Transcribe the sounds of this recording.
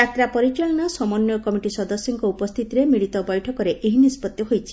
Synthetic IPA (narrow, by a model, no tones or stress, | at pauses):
at̪ɾapɔɾit͡ʃɔɭɔnɔsɔmɔnjɔkɔmiʈisɔd̪ɔsːiŋkɔupɔst̪ʰit̪iɾemiɭit̪ɔbɔjʈʰɔkɔɾeʔʔeɦinispɔt̪jɔɦojt͡ʃʰi̥